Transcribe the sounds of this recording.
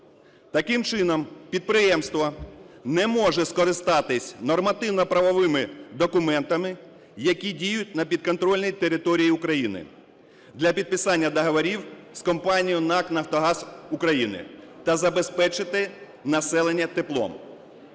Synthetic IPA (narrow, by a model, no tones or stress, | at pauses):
t̪ɐkɪmt͡ʃɪnɔmpʲid̪̚pɾɪjɛmst̪ʋɐnɛmɔʒɛskɔɾɪst̪ɑt̪ɪsʲnɔrmɐt̪ɪwnɔpɾɐʋɔʋɪmɪd̪ɔkʊmɛnt̪ɐmɪ | jɐkʲidʲijʊt̚ʲnɐpʲid̪̚kɔnt̪ɾɔlʲnʲijt̪eɾɪt̪ɔɾʲijiʊkɾɐjinɪ̰ | d̪lʲɐpʲid̪̚pɪsɑnʲːɐd̪ɔɦɔʋɔɾʲiwskɔmpɑnʲijʊnɑknɐft̪ɔɦɑzʊkɾɐjinɪ̰t̪ɐzɐbespɛt͡ʃɪt̪ɪ | nɐsɛlˠenʲːɐt̪ɪplˠɔ̰m